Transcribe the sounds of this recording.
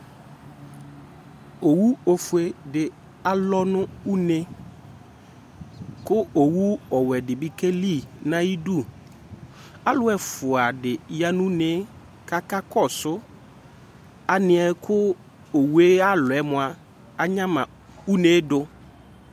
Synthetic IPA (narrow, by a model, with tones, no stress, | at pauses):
o˨wu˦o˨fʊ˨e˨dɪ˨ | a˨lɔ˦nʊ̃˦u˦ne˦ | kʊ˦o˨wu˦ɔ˨wɛ˨dɪ˨bi˦ke˦li˦˨nã˦ji˦du˦˨ | a˦lʊ˦ɛ˨fʊ˨a˨dɪ˨ja˦nʊ̃˦ne˨˦ | ka˦ka˦kɔ˦˨sʊ˦ | a˨nɪ̃˨˦ɛ˨kʰʊ˦ | o˨wu˦e˦a˦lʊ˨ɛ˨˦mʊ̃˨a˨ | a˨ɲã˦mã˨ | u˦ne˨˦dʊ˨